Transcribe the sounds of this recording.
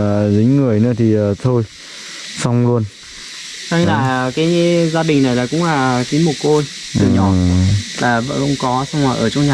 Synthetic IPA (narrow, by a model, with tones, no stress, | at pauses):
zi˨˦ŋ̟ŋɨ˨˩əjnɨ̰˧˦ət̪ʰi˨˩əː˨˩t̪ʰo˧j | sa˧wŋ͡mlu˧ən | sa˧na̰ː˧˨jaː˨˩kaː˨˦jzaː˧ɗï˨˩ŋ̟na˨˩jlaː˨˩kʊ̰˧˥ŋ͡mlaː˨˩˨ki˨˦mu˨˩t̚ko˧jt̪ɨ˨˩ɲɔ˨˦˧laː˨˩və̰˧˨xə̰˧wŋ͡mkɔ˨˦sa˧wŋ͡mmaː˨˩ʔəː˧˩t͡ɕɔ˧wŋ͡mɲaː˨˩